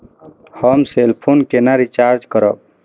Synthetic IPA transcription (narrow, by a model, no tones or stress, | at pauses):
həmselpʰonkenaɾit͡ʃaɾd͡ʒkəɾək̚